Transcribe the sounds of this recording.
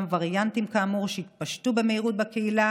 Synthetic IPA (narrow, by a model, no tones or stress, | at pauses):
mvaʁjant̪imkaːmuʁʃeit̪̚paʃtubeme̞iʁut̪̚bakeila